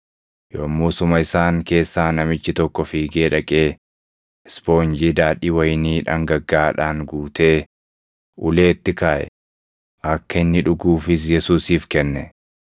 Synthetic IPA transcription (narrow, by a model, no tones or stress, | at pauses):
joːmːuːsʊmɐɪsaːŋke̞ːsːaːnɐmɪt͡ʃːɪt̪ɔkːɔfiːɡeːᶑɐkʼeː | spo̞ːnd͡ʒiːd̪aːᶑiːwɐjniːᶑɐ̰ŋɡɐɡːaːᶑaːŋɡuːt̪e̞ː | ʔʊle̞ːt̪ːɪkaːʔɛ̰ | ʔɐkːɐɪnːɪᶑʊɡuːfɪs̬jɛsuːsiːfkɛnːɛ